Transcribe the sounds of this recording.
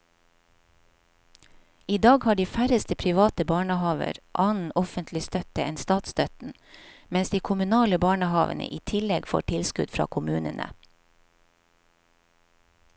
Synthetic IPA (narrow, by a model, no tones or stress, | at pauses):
iːd̪ɑːɡhɑːɖiːfæɾəst̪əpʰɾɪʋɑːt̪əbɑːɳəhɑːʋə̰ɾʔɑːnn̩ɔfənt̪ʰlɪst̪œt̪əɛnst̪ɑːt̪st̪œt̪n̩ | mɛnsd̪iːkʰʊmʉnɑːləbɑːɳəhɑːʋə̰nə̰ʔiːt̪ʰɪlɛɡfo̰ːʈʰɪlskʉ̰d̪fɾɑ̰ːkʰʊmʉːnənʔə̰